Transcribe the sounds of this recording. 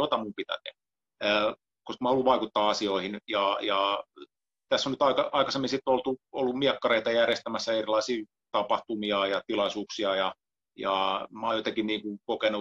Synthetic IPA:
jot̪ɑmumpit̪æ̰t̪ḛhæ | koskmɑːholːuʋʋɑikut̪ːɑːɑsioihinjɑjɑ | t̪æsːonyt̪ɑikɑɑikɑsemːinsit̪ːolt̪uolːummiɛkːɑreit̪ɑjærjest̪æmæsːæerilɑisiː | t̪ɑpɑht̪umiɑjɑt̪ilɑisuːksiɑjɑ | jɑmɑojoit̪ɑkinniːŋkuŋkokenu

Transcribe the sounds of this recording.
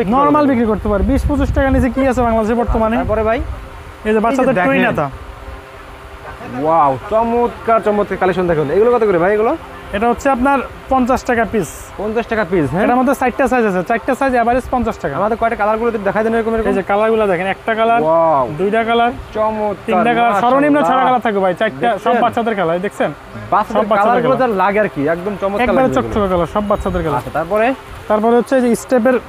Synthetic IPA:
nɔɾmalbikɾikoɾt̪epaɾebiʃpot͡ɕiʃʈakanit͡ɕʰek̬iasʰebaŋlad̪eʃeɾbɔɾt̪omanepɔɾebʱaj | ed͡ʑebaad̪eʈɾuinat̪a | wawt͡ɕɔmot̪kaɾt͡ɕɔmot̪̚kaɾkalekʃɔnd̪ʱɛkʰeneɡulokat̪ekoɾibʱajeɡulo | eʈaɦotːʰeap̬naɾpɔnt͡ɕasʈakapis | pɔnt͡ɕasʈakapizɦɛ̃eʈamod̪ʱːesajʈʈasajd͡ʑat͡ɕʰet͡ɕajʈʈasajd͡ʑɛbaɾispɔnt͡ɕasʈakaamad̪eɾkɔekʈakalaɾɡulot̪imid̪ɛkʰajd̪ɛneɾokomeɾked͡ʑekalaɾɡulad̪ɛkʰenɛk̚ʈakalaɾwad̪ujʈakalaɾt͡ɕɔmot̪t̪inʈakalaɾɔɾonimnat͡ɕʰɔʈakalat̪ʰakobʱajt͡ɕajʈd̪aʃɔbbatːʃʰad̪eɾkalad̪ekʰsen | baadʃɔeɾbakaʃlalaɾɡulod͡ʑaɾlaɡaɾkiɛkd̪omt͡ɕɔmot̪ɛkabaɾet͡ɕɔkʈʰːokakalaɾʃɔbːatːʃʰad̪eɾkalaaet̪aɾpɔɾe | t̪aɾpɔɾeɦotːɕʰed͡ʑeisʈep̬eɾ

